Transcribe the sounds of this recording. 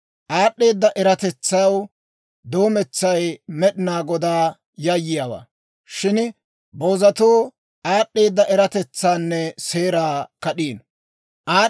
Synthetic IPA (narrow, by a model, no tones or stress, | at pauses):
ʔaːɗːeːd̪ːɐʔɛɾɐt̪ɛt͡sːɐjw | d̪o̞ːmɛt͡sːɐjmɛɗɪnaːɡɔd̪aː | jɐjːɪjaːwa̰ː | ʃɪn | boːzɐt̪oː | aːɗːe̞ːd̪ːɐʔɛɾɐt̪ɛt͡sːaːnːɛseːɾaːkɐɗiːn | ʔaː